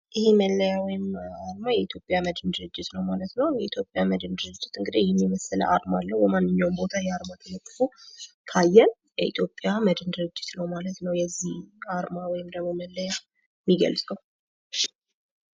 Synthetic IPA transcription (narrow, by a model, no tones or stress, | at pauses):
ʔɪheməlːəjawɔjɪmaɾmajɛit̪jo̞pʼjaməd̪ɨnd̪ɨɾɨd͡ʒːɪt̪nəwmalət̪nəwjɛit̪ʰjo̞pʼːjaməd̪ɨnd̪ɨɾɨd͡ʒːɪt̪ɨŋɡɨd̪ejɛmːiməsɨlə̰ʔa̰ɾmalːəwbəmanːɨɲːawmbo̞t̪ʰajɛaɾmat̪ʰəmək̪ʼːɨfu | kʰajːɛn | jɛit̪ʰjo̞pʼjaməd̪ɨnd̪ɨɾɨd͡ʒːɪt̪nəwmalət̪nəwjɛzːihaɾmawɔjɪmd̪əɡmo̞məlːəja | mːiɡə̰lsʼəw | ʃ